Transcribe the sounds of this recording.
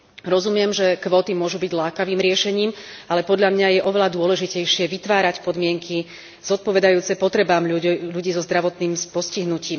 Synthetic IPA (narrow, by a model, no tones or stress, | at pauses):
ɾɔzumɪɛmʒɛkʋɔːt̪imʊɔʒubiɟlaːkaʋiːmɾɪɛʃɛɲiːmalɛpɔd̪ʎamɲajɛʔɔʋɛlad̪ʊɔlɛʒicɛjʃɪɛʋit̪ʋaːɾacpɔd̪mɪɛŋkʰi | z̥ɔt̪̚pɔʋɛd̪ajuːt͡sɛpɔt̪ɾɛbaːmʎuɟiːzɔzd̪ɾaʋɔt̪niːmspɔsciɦnuciːm